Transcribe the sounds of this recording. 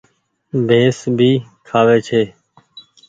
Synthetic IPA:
bʱẽːsbʱiː | kʰaːʋeːt͡ʃʰeː

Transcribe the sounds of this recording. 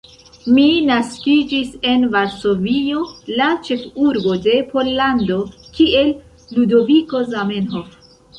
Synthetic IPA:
minaskid͡ʒise̞nvaɾso̞vio̞lat͡ʃe̞fuɾbo̞de̞po̞lːando̞kie̞lː | udo̞viko̞zamenɦof

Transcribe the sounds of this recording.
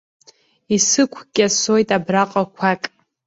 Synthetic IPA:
isɨkʷʰɡʲʼasojtʼabraqʼakʷʰakʼ

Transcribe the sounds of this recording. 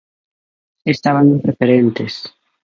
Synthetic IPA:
est̪aβanmpɾefeɾent̪es

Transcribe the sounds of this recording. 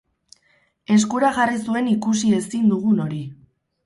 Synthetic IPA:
e̞skuɾaʝarisue̞nikusie̞sind̪uɣ̞uno̞ɾi

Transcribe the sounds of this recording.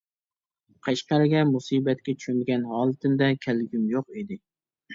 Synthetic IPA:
qʰɑʃqɑɾɪɡʲɛmusiːbɛt̪̚kʲɛt͡ʃʰy̥ʃynd̪ɡʲɛnhɑːlˠɨt̪ʰɪmd̪ɛkʲʰælɡʲymjoqid̪ɪ

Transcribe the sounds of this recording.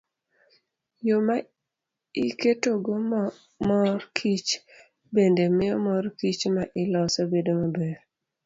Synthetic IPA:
joma | iketoɡo | mɔrkʰit͡ʃ | bendemɪjɔmɔɾkit͡ʃmaʔɪlɔsobedomabeɾ

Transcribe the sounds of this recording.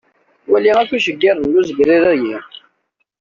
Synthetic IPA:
wæliŋækuʃəɡːɪɾðnːuzəɡɾiɾæji

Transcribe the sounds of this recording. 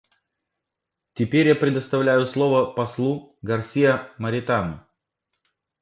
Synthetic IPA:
tʲɪpʲeɾʲjapɾʲɪd̪əst̪ɐvlʲæjʊslˠo̞vəpɐslˠuɡɐrsʲijəməɾʲɪt̪anʊ̰

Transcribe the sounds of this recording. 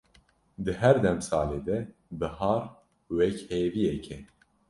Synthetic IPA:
d̪ɨɦɛɾd̪ɛmsɑːleːd̪ɛbɨhɑːɾ | wɛkheːvijɛkʰɛ

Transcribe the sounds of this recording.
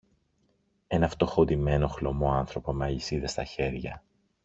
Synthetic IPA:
e̞nɐft̪o̞xo̞d̪ime̞no̞xlo̞mo̞ɐnθɾo̞po̞meɐlisiðest̪ɐçe̞ɾʝɐ

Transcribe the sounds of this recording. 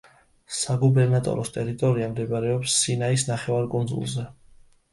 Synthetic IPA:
saɡubɛɾnat̪ʼɔ̰ɾɔst̪ʼɛɾit̪ʼɔɾiamd̪ɛbɾɛɔpsːinaisnaχɛvaɾkʼund̪zṵlˠzɛ

